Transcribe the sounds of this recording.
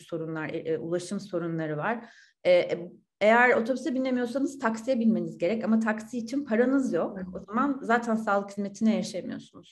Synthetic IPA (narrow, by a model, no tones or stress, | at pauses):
so̞ɾunlˠaɾṵlˠaʃɯmso̞ɾunlˠaɾɯvaɾ̥ | ɛːʔ | e̞jæɾo̞t̪ʰo̞bisebinʲːemijo̞s̬anɯz̥t̪ʰaksijebilʲme̞nizɟe̞ɾɛcamat̪ʰaksiːt͡ʃʰinpʰaɾanɯzjo̞ko̞zamanzaːt̪ʰænsaːlˠɯkʰːlʲme̞t̪ʰinɛjaʃajmijo̞̰sunuz̥